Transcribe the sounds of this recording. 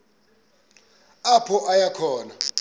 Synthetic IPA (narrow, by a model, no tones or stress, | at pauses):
apʰɔʔajakʰɔːna